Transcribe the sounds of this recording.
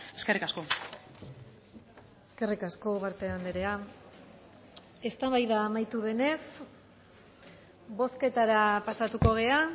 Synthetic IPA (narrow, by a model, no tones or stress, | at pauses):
eskerikasko̞ | eske̞rikasko̞βaɾt̪eand̪eɾe̞a | e̞st̪aβajðaːmajt̪uβe̞ne̞s | bo̞ske̞t̪aɾapasat̪uko̞ɣ̞e̞a